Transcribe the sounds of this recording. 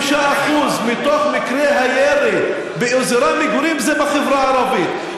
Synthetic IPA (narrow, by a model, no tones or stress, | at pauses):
ʃaʔaχuzmit̪oχmikɾeɦajeɾi | beʔuzeɾamiɡuɾimzebaχevɾaːɾɑbit̪